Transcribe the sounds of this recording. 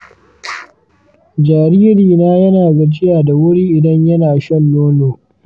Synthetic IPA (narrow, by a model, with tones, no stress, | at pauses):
d͡ʒaː˨ɾiː˦ɾiː˨naː˦jɐ˦naː˨ɡa˨d͡ʒɪ˦jaː˨da˨wʊ˦ɽiː˦ʔɪ˨dɐ˦ɲjɐ˦naː˨ʃɐ˦nːoː˦noː˨